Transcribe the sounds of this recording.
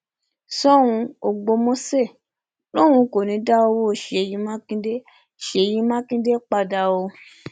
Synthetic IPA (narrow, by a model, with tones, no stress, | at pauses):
sɔ˦wũ˧o˨ɡ͡bo˧mõ˦se˦˨ | lo˦w̃ũ˧ko˨nĩ˨˧˦da˦o˧wo˦˨ʃe˨jĩ˧˦mã˦kĩ˦de˦ | ʃe˨jĩ˧mã˦kĩ˦de˦k͡pa˧da˧o˧